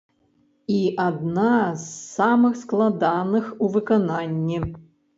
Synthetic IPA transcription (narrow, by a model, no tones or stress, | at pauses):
iʔad̪nasːamɨxsklˠad̪anɨxuvɨkɔnanʲːi